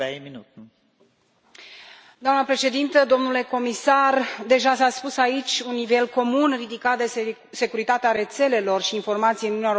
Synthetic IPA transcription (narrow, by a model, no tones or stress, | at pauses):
ejminut̪ | d̪oamnəpɾe̞ʃe̞d̪int̪əd̪o̞mnule̞ko̞misard̪e̞ʒasaspusait͡ʃʲunːive̞lko̞munrid̪ikat̪̚d̪e̞ | se̞kuɾit̪at̪eaɾe̞t̪se̞le̞lo̞rʃiːnfo̞rmat̪sijɨnunjeo